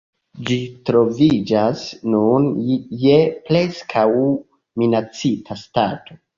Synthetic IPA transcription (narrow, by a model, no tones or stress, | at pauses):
d͡ʒitɾo̞vid͡ʒasnunjeple̞skʰaw | minat͡sitʰastato̞